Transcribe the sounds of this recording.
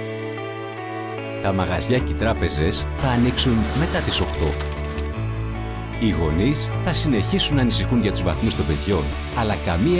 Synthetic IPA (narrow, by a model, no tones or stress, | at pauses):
t̪ɐmɐɣɐzʝɐcet̪ɾɐpe̞ze̞sθɐːniksunme̞t̪ɐt̪iso̞xt̪o̞̰ | iɣo̞nis | θɐsine̞çisunːɐːnisixuɲʝɐt̪uzvɐ̰θmust̪o̞mbe̞ðʝo̞n | ɐlɐkɐmi